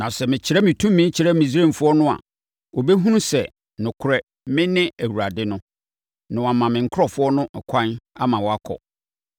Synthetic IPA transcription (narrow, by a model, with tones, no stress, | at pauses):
nã˨sɛ˨mɪ̃˨t͡ɕʰɪ˦ɾɛ˦mɪ̃˨tʰũ˦mːɪ̃˦t͡ɕʰɪ˨˦ɾɛ˦mĩ˨s̬ɾẽ˦˨m˨fʊ˦ɔ˦nʊ̃˦a̰˨ | o˨bɛ˦ɦũ˦ũ˦sɛ˨ | nʊ̃˨kʰʊ˨ɾɛ˨ | mɪ̃˦nɪ̃˦æ˨wu˨ɾa˨dɪ˦nʊ̃˦ | nʊ̃˨wa˨mã˨mɪ̃˨ŋ̩˨˦kʰʊ˦ɾɔ˨fʊ˦ɔ˦nʊ̃˦˨kʷʰã˦na˦mã˨wɔ˨a˦kʰɔ̰˨